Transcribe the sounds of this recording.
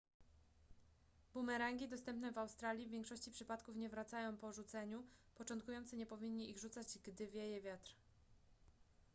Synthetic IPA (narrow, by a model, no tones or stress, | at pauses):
bumɛɾaŋɡʲid̪ɔst̪ɛmpnɛvawst̪ɾalʲjivʲvʲjɛ̃ŋkʂɔɕt͡ɕipʂɘpat̪kufɲɛvɾat̪sajɔ̃w̃pɔʐut̪sɛɲupɔt͡ʂɔnt̪̚kujɔnt̪sɘɲɛpɔvʲiɲːiʔiɣʐut̪sad͡ʑɡd̪ɘvʲjɛjɛvʲjat̪ɾ